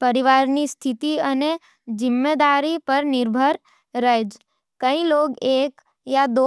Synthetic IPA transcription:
pəɾiʋaɾnist̪ʰit̪iəne | d͡ʒɪmːed̪aɾipəɾnɪɾbʱəɾ | ɾəɦed͡ʒ | kəĩloɡeːk | jad̪o

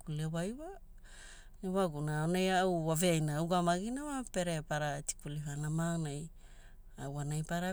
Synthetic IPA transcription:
kulewajwa | neβaɡunaonejaawwaveajnaːwɡamaɡinamape̞ɾepaɾati̥kuliɦanamaŋnaj | awanajpaɾa

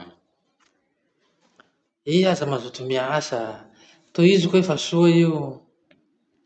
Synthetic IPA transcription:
iazamazut̪umiaasa | t̪oizikoefasuaiu

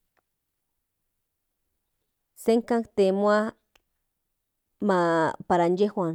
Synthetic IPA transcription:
seŋkaŋkt̪emwa | mapaɾand͡ʒehwaŋ

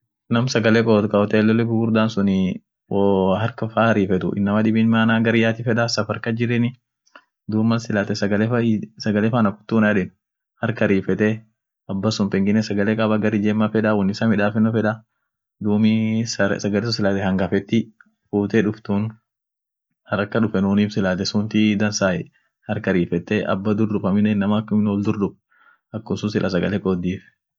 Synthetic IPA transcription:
nɐmsɐɡɐlɛkʼɔːt̪kɐɔt̪ɛːlːɔlːɛɡʊɡʊɾd̪aːnsʊnɪ | wɔɦɐɾkɐfaːɾiːfɛt̪ʊ̰ʔɪ̰nːɐmɐᶑɪbiːnmaːnaːɡɐɾɪjaːt̪ɪfɛᶑɐsɐfɐɾkɐd͡ʒɪɾɛnɪ | d̪uːmːɐsɪlat̪ɛsɐɡɐlɛsɐɡɐlefaːnɐkʊ̥t̪ːuːnaᶑɪn | hɐɾkɐɾiːfɛt̪ɛ | ɐbːɐsʊmpɛŋɡɪnːɛsɐɡɐlekʼɐbaɡɐɾɪd͡ʒeːmːɐfɛᶑawɔnːɪsɐmɪᶑaːfɛnːʊfɛᶑɐ | d̪uːmɪsɐɡɐlɛsɔsɪlaːt̪ɛhɐŋɡɐfɛt̪ːɪ | fuːt̪ɛᶑʊft̪un | hɐɾɐkːɐᶑʊfɛnuːniːfsɪlaːt̪ɛsʊnt̪ɪd̪ɐnsaːʔɛ | hɐɾkɐɾiːfɛt̪ːɛʔɐ̰bːɐd̪ʊɾd̪ʊbɐmɪnɛnːɐmɐkːʊmnwɔld̪ʊɾd̪ʊb̚ | ɐkːʊsʊnsɪlʔɐs̬ɐɡɐlɛkʼɔːd̪ːiːf

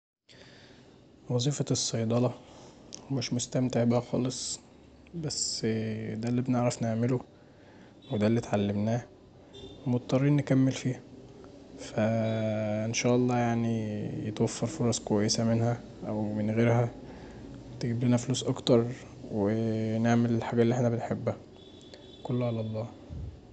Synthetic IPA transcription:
wɑzˤiːfɑsˤːɑjd̪ˤɑlɑ | meʃmost̪æmt̪eʕbæhæxɑ̰ːlesˤ | bæs | d̪ælːibneʕɾæfneʕmelo | wed̪ælːit̪ʕalːemnæː | mot̪̚t̪ˤːɑrˤːiːnːekæmːelfiːhæ | fæ | ʔenʃæːʔɑlˤːɑːjaʕnijet̪wæfːɑɾˤfoɾˤɑsˤkowæjːesæmenhæ | ʔæwmenɣeːɾhæ | t̪eɡbliːnæfoluːsʔɑkt̪ɑɾˤ | weneʕmelelħaːɡælːiʔeħnæbenħebːæ | kolːoʕalɑlˤːɑː

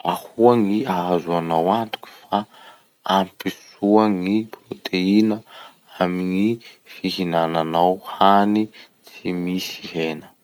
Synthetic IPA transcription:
ahuaŋiaazuanawant̪u̥ku̥fa | ampis | uaŋiprot̪ʰeinə | amiŋifiɦinananawhani | t͡simisiɦenə̥

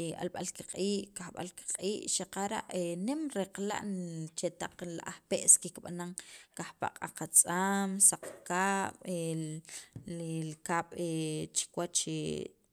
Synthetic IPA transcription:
a̰lɓalkiqʼiːʔkahɓa̰lki̥qʼiːʔʃaqaɾa̰ʔenemɾeqla̰ʔnt͡ʃet̪aq͡χlaʔahpeʔskikɓanaŋkahpa̰ʔqʼaqat͡sʼamsaq͡χkaːɓ̥e | lkaːɓ̥et͡ʃi̥kwat͡ʃe

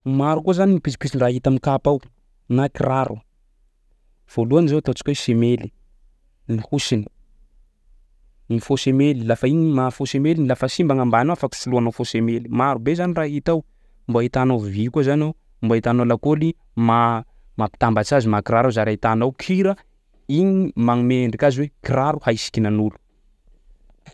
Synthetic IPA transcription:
maɾukuzaninipisi̥pisiraɦit̪amikapaw | nakirʔaɾʔu | v̥oluanizawt̪at͡si̥kʲuesemeli̥ | nihusini̥ | nifosemelilafainimafosemelinilafəsimbaŋambaanawafaki̥suluanawfosemelimaɾubezaniraɦit̪aw | mbait̪anovikuzanow | mboit̪anolakoli | ma | mapi̥t̪ambat͡ʃazimakiɾaɾazaɾait̪anawkʰiɾə | iɲimaŋmeɳɖ͡ʐikaziwekiɾaɾuhaisi̥kʲinanulu̥

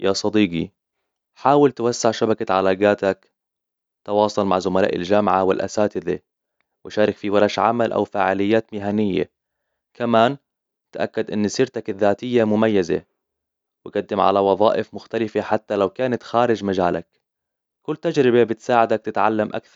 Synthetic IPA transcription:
jasˤɑd̪iːɡi | ħaːwɪlt̪wasːɪʕʃabakaʕalaːɡaːt̪ak | t̪ɑwɑːsˤɑlma̰ʕzʊmala̰ːʔɪ̰ld͡ʒamʕawɪlʔa̰saːt̪ɪðe | wɪʃaːɾˤɑkfiwɑɾˤɑʃʕa̰malʔa̰wfaːʕɪlɪjːaːt̪mɪːɦanɪjːa̰ | kamaːn | t̪ʔakːad̪ʔɪnːsɪɾt̪akɪðːaːt̪ɪjːamʊmajːazḛ | wɪɡad̪ːɪmʕa̰lawɑðˤɑːʔɪfmʊxt̪alɪfeħat̪ːalawkaːnat̪xaːɾɪd͡ʒmad͡ʒaːla̰k̚ | kʊlːt̪ad͡ʒɾɪbebɪt̪saːʕɪd̪ak̚t̪ɪt̪ʕalːamʔa̰kθɑɾˤ

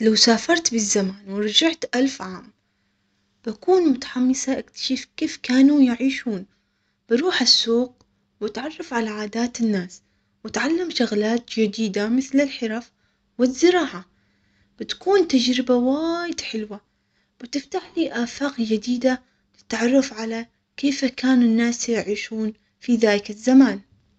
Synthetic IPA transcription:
lawsaːfɑɾˤt̪bɪzːamaːnwɪɾˤɑd͡ʒaʕt̪ʔalfʕaːm | b̥akuːnmʊt̪ḁħamːɪsaʔakt̪ḁʃifkeːfkaːnujɪʕiːʃuːn | b̥ɪɾuːħasːuːq̚ | wɪt̪ʕɑrˤːɑfʕalaʕaːd̪aːt̪ɪnːaːs | wɪt̪ʕalːamʃʊɣlaːt̪d͡ʒɪd̪iːd̪amɪθlɪlħɪɾɑf | wɪzːɪɾɑːʕa | b̥ɪt̪ḁkuːnt̪ad͡ʒɾɪbawaːjɪd̪̥ħɪlwa | b̥ɪt̪ɪft̪aħliːʔaːfaːqd͡ʒɪd̪iːd̪a | ɪ̥t̪ʕɑrˤːɑfʕala | keːfakaːnʊnːaːsjɪʕiːʃuːn | fiðaːlɪkɪzːamaːn

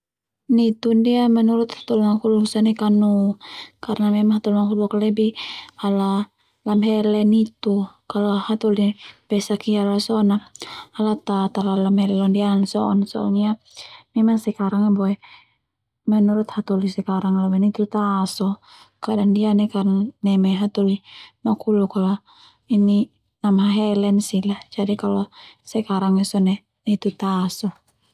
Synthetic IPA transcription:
nit̪undiamɛnuɾut̪hḁt̪ɔlmakulsanɛkanukarnamɛmaŋɦat̪ɔlmakulbɔkalɛbihala | lamɦɛlɛnit̪ukalɔhat̪ɔlipɛsakialasɔːnaalat̪at̪alalamhɛlɛlɔndiansɔʔɔnsɔɔ̰ɲia | mɛmaŋsɛkaɾaŋbɔɛ | mɛnuɾut̪hat̪ulisɛkaɾaŋalabɛnit̪ut̪asɔ | kadaŋdianɛkanaŋnɛmɛɦat̪ulimakulukalɔ | ini | namɦaɦɛlɛnsilahd͡ʒadikalɔsɛkaɾaŋɛsɔnɛ | nɛt̪ut̪asɔ

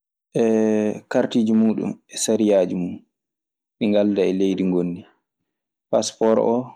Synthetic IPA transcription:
ʔɛkaɾtiːd͡ʒumuːɗṵmɛsaɾijaːd͡ʒimuːu | miŋɡaldaɛlejdiŋɡonːi | paspɔɾɔ

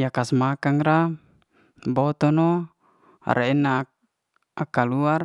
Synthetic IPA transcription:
jakasmakaŋɾa | bɔt̪ɔnɔ̰ | ɾʔeɛna | akaluar

